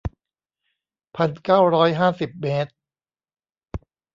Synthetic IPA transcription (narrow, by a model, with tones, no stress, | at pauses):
pʰa˧nkaː˥˩wɾɔː˦˥jɦaː˥˩si˨˩p̚meː˦˥t̪̚